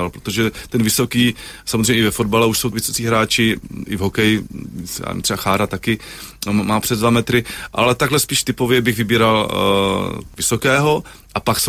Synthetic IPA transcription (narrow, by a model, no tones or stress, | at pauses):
alpɾot̪oʒɛt̪ɛnvɪso̞kiːsamozrejɲɛɪvɛfod̪̚balɛuʃso̞wvɪsot͡siːɦɾaːt͡ʃɪʔɪvɦokɛjɪsa̰ːm̰t̪r̥ɛbaxaːɾat̪akɪmaːpr̥ɛzd̪vamɛt̪ɾɪʔa̰lɛt̪aɡɦlɛspiːʃt̪ɪpo̞vjɛbɪɣvɪbiːɾal | vɪsokɛːɦo̞ | ʔapakso